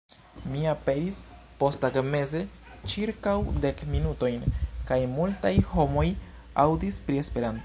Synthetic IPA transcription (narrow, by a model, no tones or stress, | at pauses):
miape̞ɾis | po̞staɡme̞ze̞ | t͡ʃiɾkawde̞kminuto̞jnkajmultajho̞mo̞j | awdispɾie̞spe̞ɾanto